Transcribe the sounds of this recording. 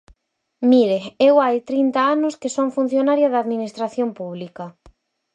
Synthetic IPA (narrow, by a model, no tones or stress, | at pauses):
miɾeewajt̪ɾint̪aanʊskɪsoŋfun̟θjonaɾjɐðaðminist̪ɾaθjompuβ̞likɐ